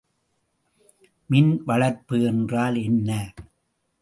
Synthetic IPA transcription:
mɪnʋɐɭɐɾpɯɛndraːlɛnːɐ

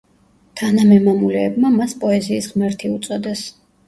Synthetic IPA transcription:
t̪ʰanamɛmamulɛːbmamaspʼɔɛziːsʁmɛɾt̪ʰiut̪sʼɔd̪ɛs

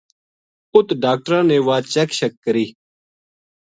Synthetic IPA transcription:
ʊt̪ɖaːk̚ʈəɾãːneːʋaːt͡ʃɛːkʃəkːəɾiː

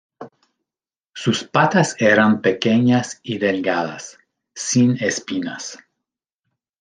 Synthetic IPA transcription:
suspat̪aseɾampekeɲasiðelɡaða̰sː | inespina̰s

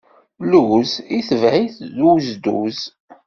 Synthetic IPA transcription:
luziθəvʕiθðuzd̪ṵz

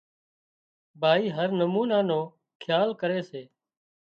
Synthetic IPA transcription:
bʱaːiːɦəɾnəmuːnaːnoː | kʰjaːlkəɾeːseː

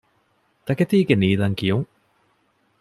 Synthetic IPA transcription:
t̪akɛt̪iːkeniːlaŋkioŋ

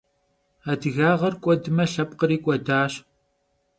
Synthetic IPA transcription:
aːdɨɣaːʁɐrkʷʼɔdɨmɐɬɐp̚ʼqəɾiːkʷʼɔdaːɕ

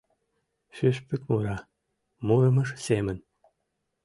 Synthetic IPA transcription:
ʃyʃpykʲmuɾɑ | muɾɤ̆mɤ̆ʂsemɘ̆nʲ

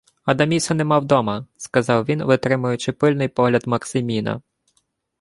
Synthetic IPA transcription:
ɐd̪ɐmʲisɐnɛmɑwd̪ɔmɐskɐzɑwʋʲinʋɪt̪ɾɪmʊjʊt͡ʃɪpɪlʲnɪjpɔɦlʲɐd̪mɐksɪmʲinɐ̰

